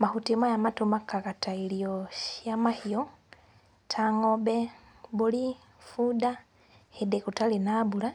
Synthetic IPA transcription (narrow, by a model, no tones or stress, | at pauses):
mahutimajamatumakakatailioʃjamahio | tʰaŋobe | buli | fuda | hedekutalinabula